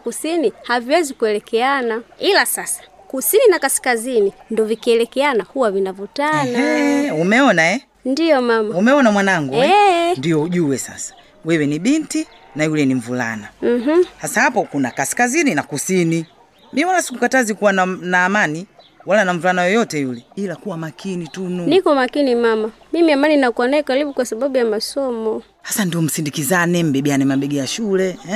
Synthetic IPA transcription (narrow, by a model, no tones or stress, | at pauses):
kusinihaviwɛzikuɛlɛkɛanailasasḁ | kusininakasi̥kazinindɔvikiɛlɛkɛanahuwavinavutanaɛumɛɔnaɛ | ndijɔmamaumɛɔnamwanaŋɡuɛndijɔuʄuwɛsa̰sḁ | wɛwɛniɓinti | najulɛniɱ̩vula̰nam̩ɦ̩hasahapɔkunakasi̥kazininakusini | miwalasi̥kukatazikuwananaːmani | walanaɱ̩vulanajɔjɔtɛjulɛilakuwamakʰinitununikɔmakinimamamimiamaninakuanakaliɓukwasaɓaɓujamasɔmɔ | hasandiɔm̩sindikizanɛm̩bɛɓianɛmaɓɛɡɛjaʃulɛ